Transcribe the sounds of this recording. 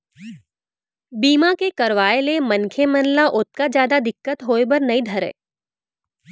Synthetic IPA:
biːmakekɐɾʋaːelemɐnkʰemɐnlaʔʊt̪̚kad͡ʒjaːd̪ad̪ɪkːət̪ɦoːebɐɾnɐĩd̪ʱəɾḛː

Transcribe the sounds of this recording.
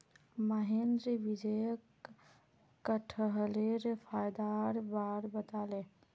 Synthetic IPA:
məɦend̪ɾibid͡ʒəjək | aʈʰəɦəleɾpʰaːjd̪aɾbaːɾbət̪aːlẽ

